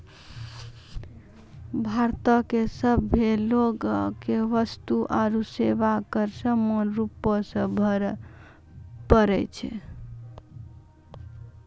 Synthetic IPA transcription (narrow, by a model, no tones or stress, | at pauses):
bʱaɾt̪əkesəbːʱeloɡkeʋəst̪uʔaɾusebakəɾsəmonɾupːəsə̃bʱəɾ | pəɾɛt͡ʃʰɛ̰